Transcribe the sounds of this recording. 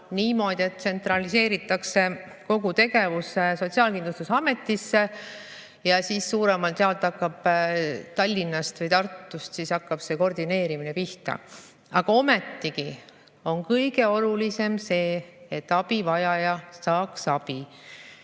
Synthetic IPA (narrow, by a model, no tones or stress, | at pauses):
niːmo̞ːd̪̥ʲie̞t̪ːse̞nt̪rɑlise̞ːɾit̪ːˑɑkse̞ | ko̞ɡut̪e̞ɡe̞vuseso̞t̪siɑːlkind̪lust̪usɑme̞t̪ːˑisːe̞ | jɑsiːsːuːɾe̞mɑlt̪eɑlt̪ːˑɑkːɑb̥t̪ɑlʲːinːɑst̪vɤjt̪ɑrt̪ːust̪sisɑkːɑb̥se̞ko̞rd̪ine̞ːɾiminepiht̪ɑ̰ | ɑɡ̥ɑo̞met̪ːiki | o̞nkɤjɡe̞o̞lulise̞mse̞ːet̪ːˑɑb̥ivɑjɑjɑsɑːksɑb̥i